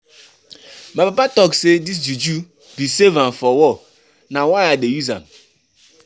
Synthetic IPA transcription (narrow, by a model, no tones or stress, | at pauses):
mabapatɔksedis̬d͡ʒud͡ʒu | bisevãmfɔwɔ | nawaɪadejuzã̰m